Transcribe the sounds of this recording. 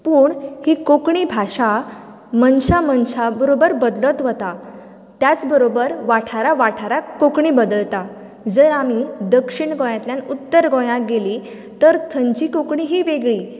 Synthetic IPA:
puːɳhiːkokɳiːbʱaɕa | mənɕamənɕabəɾobəɾbəd̪lət̪ʋət̪a | t̪jat͡sbəɾobəɾʋaʈʰaɾaʋaʈʰaɾakokɳiːbəd̪əlt̪a | d͡zəɾamid̪əkʂiɳɡõjãt̪ljãnut̪ːəɾɡõjãɡeli | t̪əɾt̪ʰəɲt͡ɕikokɳiɦiːʋeɡɭiː

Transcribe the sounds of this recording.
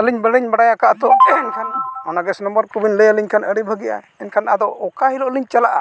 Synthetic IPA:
əliɲbəɽiɲbaɽajakaʔt̪ɔɛnkʰanɔnaɡɛsnɔmbəɾkubinləjəliɲkʰanəɽibʱəɡija̰ | ɛnkʰanad̪ɔʔɔkaɦilɔʔliɲt͡ʃalaʔa̰

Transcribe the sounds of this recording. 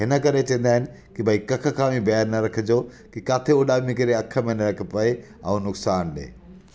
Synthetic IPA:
ɦɪnə̆kɐɾet͡ɕɐ̃ə̃n̆d̪aːɦɪnɪ̆ | kibʱɐikɐkʰə̆kʰãːʋĩbɐjəɾnɐɾɐkʰəd͡ʑoː | kikaːt̪ʰeʊɗaːmĩk̬ɪɾeɐkʰːə̆mẽnɐɾɐkʰə̆pɐe | ɐ̰ũnʊksaːnɗḛː

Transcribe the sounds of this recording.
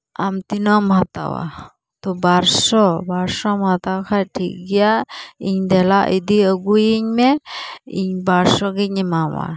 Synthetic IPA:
amt̪inɔmɦat̪a̰wa̰ | t̪ɔbaɾsɔbaɾsɔmat̪awkʰaʈʰik̚ɡijaiɲd̪ɛlaʔid̪iəɡujiɲmɛḭɲbaɾsɔɡic̚ɲɛmawa̰

